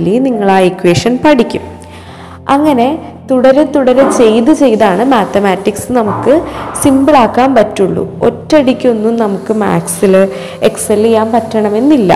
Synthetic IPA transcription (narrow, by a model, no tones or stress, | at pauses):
lːiniŋːɐɭaːikːuweːʂɐnpɐɽikʲːum | ɐŋːɐne̞ | t̪uɽɐɾet̪uɽɐɾet͡ɕe̞jt̪ɨt͡ɕe̞jðaːɳɨmaːt̪ɐmaːtːiksɨnɐmukːɨsimbɨɭaːkːaːmpɐtːuɭːṵo̞̰tːɐɽikʲːunːumnɐmukːɨma̰ːksilɨ | ekselijaːmpɐtːɐɳɐme̞nːilːɐ̰